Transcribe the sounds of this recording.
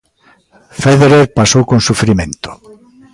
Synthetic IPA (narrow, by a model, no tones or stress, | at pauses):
feðeɾeɾpasowkõnsufɾimẽnt̪o̥